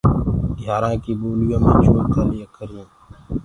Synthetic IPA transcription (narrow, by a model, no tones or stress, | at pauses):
d̪ʱjaːɾãːkiːboːljãːmẽːt͡ʃʰoːɾkaːlijekəɾĩː